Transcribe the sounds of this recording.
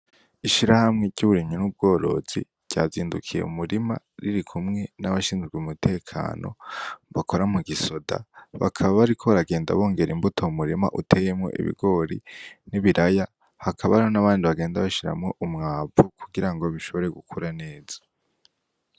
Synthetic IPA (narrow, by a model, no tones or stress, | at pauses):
iʃiɾahamŋe̞ɟɟuβuɾiɲɲinub̚ɡo̞ːɾo̞̰z̥i̥ | ɟ̥a̰ːziːndukʰije̞̰ṵmuɾima̰ | ɾiɾikʰumŋe̞naβaʃiːnzɡwiumutʰe̞ːkʰa̰ːnʔo̞̰βakʰo̞ɾamuɡiso̞da̰βa̰kʰaβaβaɾikʰo̞βaɾaɡe̞ːnda̰βo̞ːŋɡe̞ɾimbutʰoumuɾima̰ʔutʰe̞jemŋo̞̰ʔḭβḭɡo̞ɾḭniβiɾʔaja | hakʰaβaonaβaːndiβaɡe̞ːndaβaʃiɾa̰mŋo̞ʔumŋaːvukʰuɡiɾaŋɡoβiʃo̞βo̞ɾe̞ɡukʰuɾane̞ːz̥ḁ